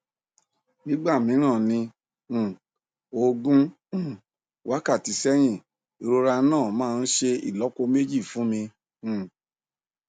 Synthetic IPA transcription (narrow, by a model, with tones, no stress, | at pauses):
nĩ˦ɡ͡ba˦˨mĩ˨˦ɾ̃ã˦˨nĩ˧˨ | o˧ɡũ˦˨ | wʔa˦ka˦˨ti˨˦sɛ˦j̃ĩ˦˨ | i˧ɾo˧ɾa˧˦nãː˦˨mãː˦˧n̩˦ʃe˧ḭ˨lɔ˨˦ko˧me˦d͡ʒi˦˨fũ˨˦mĩ˧˨